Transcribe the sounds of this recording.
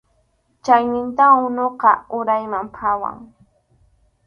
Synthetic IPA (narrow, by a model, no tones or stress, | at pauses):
t͡ʃajnɪnt̪aʊnoqɑʊɾajmampʰawa̰ŋ